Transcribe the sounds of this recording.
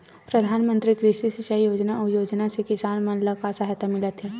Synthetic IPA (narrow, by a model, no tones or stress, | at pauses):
pɾɐd̪ʱaːnmə̃nt̪ɾikɾɪʃisɪt͡ʃaijoːd͡ʒnaɔɾjoːd͡ʒnasekɪsaːnmə̃nləkasəɦt̪amɪlət̪ɦɛː